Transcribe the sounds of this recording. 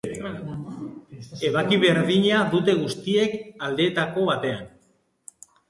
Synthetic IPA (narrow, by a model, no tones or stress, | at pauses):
e̞βakiβ̞e̞ɾðiɲaðut̪e̞ɣ̞ust̪ie̞kald̪e̞ːt̪ako̞βat̪e̞an